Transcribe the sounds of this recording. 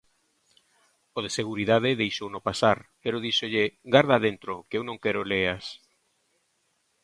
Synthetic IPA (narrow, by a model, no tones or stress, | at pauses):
oðeseɣ̞uɾiðað̞eðejʃownopasaɾpeɾoð̞iʃoʎeɡaɾð̞aðent̪ɾokeewnõŋkeɾoleas